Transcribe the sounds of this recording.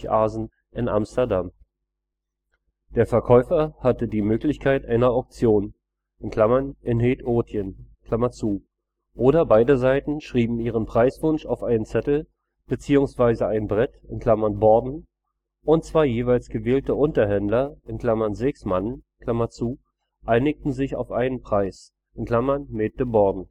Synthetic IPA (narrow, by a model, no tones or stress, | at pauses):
ʔaːzn̩ | ʔɪnʔa̰mstɐdam | d̥eːɐfɛɐkʰɔʏfɐhatədiːmøːklɪçkʰaɪtʔaɪnɐaʊk̚t͡sjoːn | ʔɪnkʰl̥amɐnʔɪnɦeːtʔoːtʰjənkl̥amɐt͡suː | ʔoːɾɐbaɪdəzaɪtn̩ʃʁ̥iːbm̩iːʁ̞ənpʁ̥aɪsv̥ʊnʃaʊfʔaɪnənt͡sɛtl̩ | b̥ət͡siːʊŋsv̥aɪzəaɪnbʁɛtɪnkʰl̥amɐnbɔɐdn̩ | ʔʊntt͡sv̥aɪjeːvaɪlsɡ̥əveːltəʔʊntɐɦɛndlɐʔɪnkl̥amɐnzɛksmankʰl̥amɐt͡suː | ʔaɪnɪk̚tn̩zɪça̰ʊfʔaɪnənpʁ̥aɪs | ʔɪnkʰl̥amɐnmeːt̚d̥əbɔɐdn̩